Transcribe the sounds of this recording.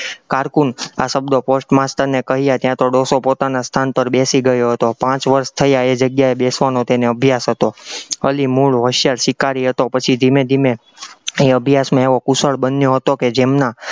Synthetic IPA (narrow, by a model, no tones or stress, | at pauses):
kaɾkunasəbd̪oposʈmast̪əɾnekəɦijat̪jãt̪oɖosopot̪anast̪ʰanpəɾbesiɡəjoɦət̪opãt͡ʃʋəɾst̪ʰəjaed͡ʒəɡjaebesʋanot̪eneəbʱjasɦət̪oəlimuɭɦəʃjalʃɪkaɾiɦət̪opət͡ʃʰid̪ʱimed̪ʱime | eəbʱjasmãeʋokusəɭbənjoɦət̪oked͡ʒemna